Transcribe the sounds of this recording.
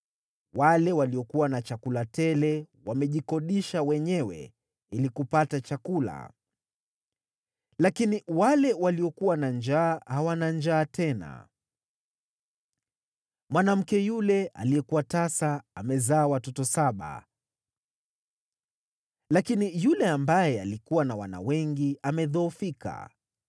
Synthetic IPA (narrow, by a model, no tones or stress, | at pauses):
walɛwaliɔkuwanat͡ʃakulatɛlɛ | wamɛʄikɔɗiʃawɛɲɛwɛ̰ | ilikupatat͡ʃakula̰ | lakiniwalɛwaliɔkuwanand͡ʒaːhawanand͡ʒaːtɛna̰ | mwanam̩kɛjulɛʔa̰lijɛkuwatasaamɛzaːwatɔtɔsaɓa̰ | lakinijulɛambajɛa̰likuwanawana̰wɛŋɡiamɛðɔːfika̰